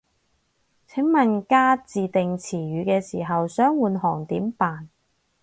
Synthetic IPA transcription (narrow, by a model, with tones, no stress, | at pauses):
t͡sʰɪ˨˥ŋmɐ˨nkaː˥t͡siː˨t̪ɪ˨ŋt͡sʰiː˨˩ɥyː˨˧kɛː˧siː˨˩ɦɐ˨wsœː˨˥ŋwuː˨˧nhɔː˨˩ŋt̪iː˨˥mpaː˨n